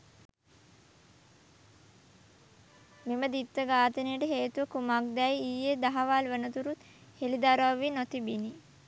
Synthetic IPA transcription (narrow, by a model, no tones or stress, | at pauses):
meməd̪it̪ːəɡaːt̪ənəjəʈəɦeːt̪uʋəkumak̚d̪ɛjijed̪aɦaʋalʋənət̪uɾut̪ | helid̪aɾaʋːinot̪ibini